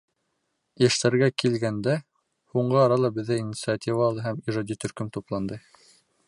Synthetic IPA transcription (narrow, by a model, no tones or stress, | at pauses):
ɘʃt̪æɾɡækilɡænd̪æ | huɴɢɤɑɾɑlˠɑbɘ̆ðːɘinʲit̪sɨat̪ʲivalˠɤɦæmiʒɑd̪ʲit̪ɵ̆ɾkɵmt̪uplˠɑnd̪ɤ